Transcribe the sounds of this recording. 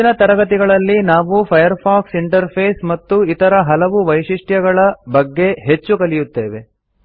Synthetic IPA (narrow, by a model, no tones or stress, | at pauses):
inɐt̪ɐɾɐɡɐt̪̬iɡɐɭɐlːinaːʋupʰɐjɐɾpʰaːksiɳʈɐɾpʰeːsmɐt̪ːuit̪ɐɾɐɦɐlɐʋuʋɐjʂiʂʈjɐɡɐɭɐbɐɡːe̞ɦe̞t͡ʃːukɐlijut̪ːe̞ːʋe̞